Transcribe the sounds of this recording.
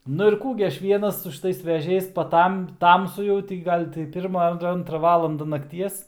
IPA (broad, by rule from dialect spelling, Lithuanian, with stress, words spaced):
nʊ ɪr ˈkuː ɡʲɪ ˈɐʃ ˈʋʲiɛnɐs sʊ ʃʲɪˈtɐɪs ʋʲɛˈʒʲɛɪs pɐˈtɐm ˈtɐmsʊ jɛʊ tɐɪ ɡʲɪ ˈɡɐlʲ tɐɪ ˈpʲɪrmɐ ɐr ˈɐntrɐ ˈʋɑːlˠɐndɐ nɐkˈtʲiɛs